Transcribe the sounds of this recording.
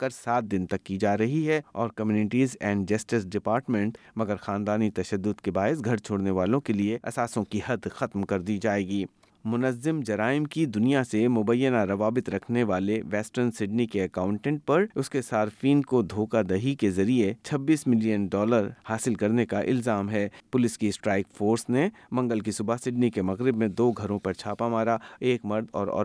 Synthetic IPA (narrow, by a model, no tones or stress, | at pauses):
kɐɾsaːt̪̚d̪ɪnt̪ɐkːid͡ʒaːɾɐɦiɦɛɔːɾkɐmjuːnɪʈiːzɛ̃ːɳɖd͡ʒɐsʈɪsɖɪpaːɾʈmɛ̃ɳʈmɐɡəɾxaːnd̪aːnit̪ɐʃəd̪ːʊd̪kebaːɪsɡʱɐɾt͡ʃʰoːɽneʋaːlõkelieɐ̰saːsõkihɐd̪xɐt̪mkɐɾd̪id͡ʒaːeːɡiː | mʊnəzːɪmd͡ʒɐɾaːɪmkid̪ʊnijasemʊbəjːənaɾɐʋaːbɪt̪ɾɐkʰneʋaːleʋɛːsʈəɾnsɪɖnikeɐkãːʊ̃ɳʈɛ̃ɳʈ̚pɐɾʊskesaːɾfiːnkod̪ʱoːkad̪ɐɦikezɐɾiet͡ʃʰɐbːiːsmɪlijənɖɔːləɾhaːsɪlkɐɾnekaʔɪ̰lzaːmɦɛːpʊlɪskisʈɾaːɪkfoːɾsne | mɐ̃ŋɡəlk̬isʊbasɪɖnikemɐɣɾɪbmẽd̪oːɡʱɐɾõpɐɾt͡ʃʰaːpamaːɾaeːkmɐɾd̪ɔ̰ːɾɔ̰ː